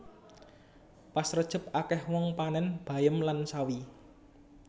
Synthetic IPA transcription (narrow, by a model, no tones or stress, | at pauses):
pasrəd̥ʒ̥ə̤p̚akɛhwɔŋpanɛnb̥a̤jəmlansawi